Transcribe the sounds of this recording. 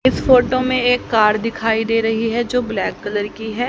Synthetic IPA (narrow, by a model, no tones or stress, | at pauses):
ɪsfʰoːʈomẽeːkːaːɾd̪ɪkʰaːid̪eːɾɐɦiɦɛd͡ʒoːblɛːkːələɾkiɦɛː